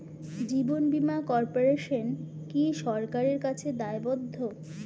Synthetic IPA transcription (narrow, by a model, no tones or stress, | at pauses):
d͡ʑibonbimakɔɾpoɾeʃon | kiʃɔɾkaɾeɾkat͡ɕʰed̪aebod̪ʱːo